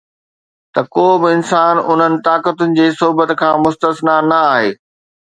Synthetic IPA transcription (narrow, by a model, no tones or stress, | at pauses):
t̪ɐkoːbɪɪnsaːnʊn̤ənɪ̆t̪aːkət̪ʊnɪ̆d͡ʑeːsʊɦbət̪kʰãːmʊst̪əsnanɐaːɦeː